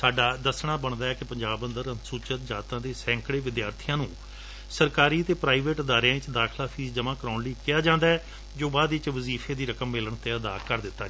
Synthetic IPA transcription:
saːɖaːd̪əsɳaːbəɳd̪aːɛːkɪpəɲd͡ʒaːbənd̪əɾənsuːt͡ʃət̪̚d͡ʒaːt̪ãːd̪eːsɛ̃ːŋkɽeːʋɪd̪jaːɾt̪ʰijãːnũː | səɾkaːɾiːət̪eːpɾaːiːʋeːʈəd̪aːɾejãt͡ʃd̪aːkʰlaːpʰiːzd͡ʒəmãːkəɾaːnləiːkɪjaːd͡ʒãːnd̪aːɛː | d͡ʒoːbaːd̪ɪt͡ʃʋəziːpʰeːd̪iːɾəkəmːɪləɳt̪eːəd̪aːkəɾd̪ɪt̪ːaː

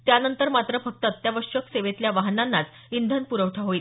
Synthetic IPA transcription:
t̪janənt̪əɾmat̪ɾəfək̚t̪əːət̪jaʋəɾʂəkseʋet̪ljaʋaɦnanːat͡s | ind̪ʱənpuɾəʋʈʰaɦoiːl

